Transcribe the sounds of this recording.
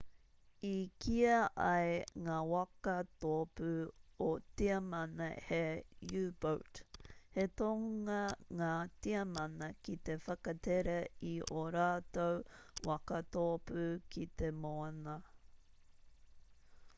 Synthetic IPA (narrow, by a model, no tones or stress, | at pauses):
ikʰiɐʔɐjŋaːwɐkɐt̪opʉotiɐmɐnɐhejʉːb̥owthet̪oŋɐŋaːtiɐmɐnɐkit̪efɐkɐt̪eɾɐiʔoɾaːt̪owwɐkɐt̪opʉkʰit̪emoɐnɐ